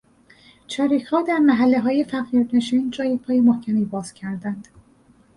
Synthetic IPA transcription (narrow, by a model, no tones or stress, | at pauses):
t͡ʃʰɒːɾiːchɒːd̪æɾmæɦælːeɦɒːje̞fæɣiːɾne̞ʃiːnd͡ʒɒːjepʰɒːjemohcʰæmiːbɒːz̥cʰæɾd̪ænd̪̥